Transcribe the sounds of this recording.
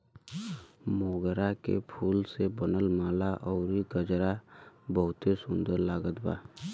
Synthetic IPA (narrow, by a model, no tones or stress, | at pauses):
moːɡɾakḛpʰuːlsebənəlmaːlaʔɔːɾiɡəd͡ʒɾabəɦʊt̪esʊ̃nd̪əɾlaːɡət̪ba̰ː